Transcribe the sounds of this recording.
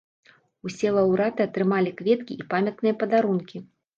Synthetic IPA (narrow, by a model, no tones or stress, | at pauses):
usʲɛlˠɐwɾat̪ɨɐt̪ɾɨmalʲikvʲɛt̪̚kʲiʔipamʲɐt̪nɨjɐpɐd̪aɾunkʲi